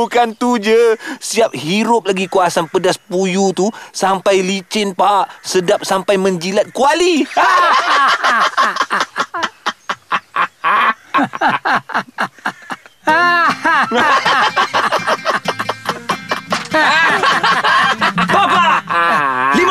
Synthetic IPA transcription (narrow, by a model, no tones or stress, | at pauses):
ukant̪ud͡ʒəsiap̚hiɾʊp̚laɡikuasanpədaspujut̪usampajlit͡ʃɪnpaaʔsədap̚sampajmə̃ɲd͡ʒilat̪̚kuali | baba | lim